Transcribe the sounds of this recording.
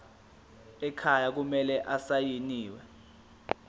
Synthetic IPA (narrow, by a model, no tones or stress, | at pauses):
ɛkʰajak̬umɛlɛʔasajiniːwɛ